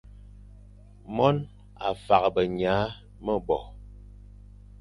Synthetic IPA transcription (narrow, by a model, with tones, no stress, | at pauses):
mɔ˦n | a˨fa˨kbə˨ɲa˨˦ | mə˦bɔ˨